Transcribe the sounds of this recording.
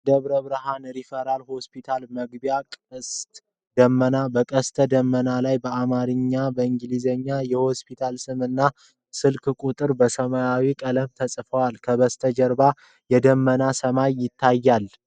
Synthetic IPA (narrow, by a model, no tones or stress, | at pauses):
d̪əβɾəβɾɨɦanɾifəɾalho̞spit̪ʰalməɡbjakʼəst̪ | d̪əmːənabəkʼəst̪ʰəd̪əmːənalajbəamaɾɨɲːabəɨŋɡlizəɲːajɛho̞spʰit̪ʰalsɨmɨnːa | sɨlkʰkʷʼut̪ʼɨɾbəsəmajawikʼələmt̪ʰəsʼfəwalkʰəβəst̪ʰəd͡ʒəɾba | jɛd̪əmːənasəmajːɪt̪ʰːajːal